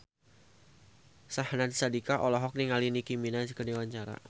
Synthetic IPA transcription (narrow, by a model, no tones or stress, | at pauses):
sahnadsadikaʔɔlɔɦɔk̚niŋalinikiminansəkədewaɲt͡ʃaɾa̰